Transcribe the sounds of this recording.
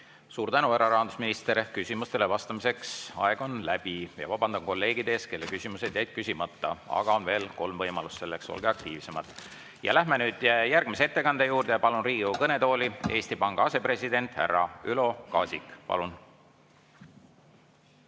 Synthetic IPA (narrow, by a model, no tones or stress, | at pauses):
suːɾt̪ænueɾɑɾɑɦɑnd̪̥usminist̪eɾkysʲimust̪e̞levɑst̪ɑmise̞ksɑ̰e̞ɡ̥o̞nlæb̥ijɑ̰vɑb̥ɑnd̪ɑnko̞lːe̞ːɡ̥id̪eeske̞lːekysʲimused̪̥jæjd̪̥̚kysʲimɑt̪ːɑɑ̰ɡ̥ɑo̞nve̞ːlko̞lmvɤjmɑlusse̞lːe̞kso̞̰lɡ̥eɑk̚t̪iːvse̞mɑd̪ˑ | jɑ̰læhmenyːd̪̥jærɡ̥miseet̪ːe̞kɑnd̪̥ejuːrd̪̥ejɑpɑlunriːɡukɤne̞t̪oːlie̞ːst̪ipɑŋɡ̥ɑɑse̞pre̞sʲid̪e̞nt̪ˑhæ̰rːɑylo̞kɑːsʲikˑpɑ̰lun